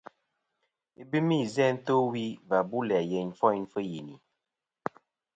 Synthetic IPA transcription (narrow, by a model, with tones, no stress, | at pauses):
i˨bi˦mi˦˨zɛ˦n̩˦to˦wi˦va˨bu˦lɛ˨a˨jɛ˨ɲfɔ˦jn˦fə˦ji˨ni˨